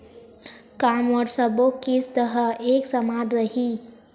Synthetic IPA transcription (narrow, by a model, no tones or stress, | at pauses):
kaːmɔːɾsɐbokist̪əɦəeːksɐmaːd̪ɾɐɦiː